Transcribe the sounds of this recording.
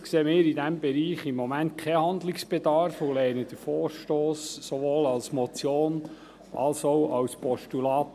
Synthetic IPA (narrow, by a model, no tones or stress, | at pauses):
kseːmɪːɾid̪æmbɛɾiːχimːɔmænt̪̚kʰɛhɑnd̪lɪksb̥ɛd̪ɑɾfolɛɪnəd̪əfɔːɾʃtoːsːoʋoːlɑlsmɔt͡sjoːn | ʔɑlsowɑwspɔʃtulɑːt